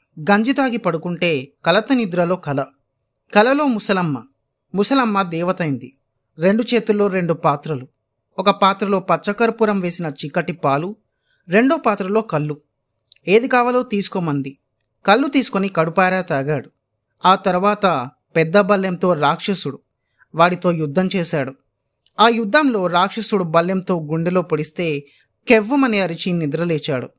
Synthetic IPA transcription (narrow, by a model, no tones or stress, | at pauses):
ɡɐɲd͡ʒit̪aːɡipɐɽukuɳʈe̞ːkɐlɐt̪ɐnid̪uɾɐlo̞ːkɐlɐ | kɐlɐlo̞ːmusɐlɐmːɐ | musɐlɐmːɐd̪ɛːʋɐt̪ɐjind̪i | ɾe̞ɳɖut͡ʃe̞ːt̪ulːo̞ːɾe̞ɳɖupaːt̪ɾɐlu | ɔkɐpaːt̪ɾɐlo̞ːpɐt͡ʃːɐkɐɾɐpuːɾɐmʋe̞ːsinɐt͡ʃikːɐʈːipaːlu | ɾe̞ɳɖo̞ːpaːt̪ɾɐlo̞ːkɐlːu | e̞ːd̪ikaːʋɐlo̞ːt̪iːsu̥komɐnd̪i | kɐlːut̪iːsu̥konikɐɽupaːɾaːt̪aːɡaːɽu | aːt̪ɐɾuʋaːt̪ɐ | pɛd̪ːɐbɐlːjɐmt̪o̞ːɾaːkʂɐsuɽu | ʋaːɽit̪o̞ːjud̪ʱːɐmt͡ʃeːʃaːɽu | aːjud̪ʱːɐmlo̞ːɾaːkʂɐsuɽubɐljɐmt̪o̞ːɡuɳɖilo̞ːpoɽist̪e̞ː | keʋːɐmɐniɐɾit͡ʃinːid̪ɾɐleːt͡ʃaːɽṵ